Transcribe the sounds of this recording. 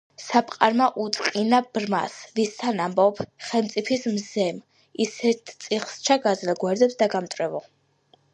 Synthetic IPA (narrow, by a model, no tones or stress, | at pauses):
sapʼqʼaɾmaʔut̪sʼqʼinabɾma̰svist̪ʰanambɔpʰχɛlˠmt̪sʼipʰismzɛm | isɛɾt̪ʰt̪sʼiχst͡ʃʰaɡazlɛɡwaɾd̪ɛpsd̪aɡamt̪ʼɾɛvɔ